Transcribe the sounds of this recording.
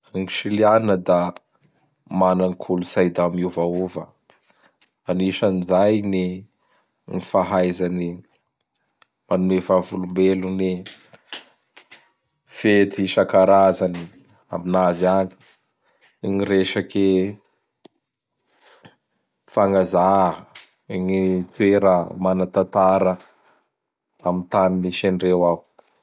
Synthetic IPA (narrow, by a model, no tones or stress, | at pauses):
ŋiʃilianinəd̪a | mananikʰulusajd̪amuvauvə | aniʃənizajni | nifaɦajzani | manuevavulumbeluni | fet̪iʃakaɾazani | a̰minazani̥ | ŋiɾeʃake | faŋɡaza | ŋit̪uweɾəmanat̪at̪aɾə | amint̪aniniʃeɳɖ͡ʐewau̥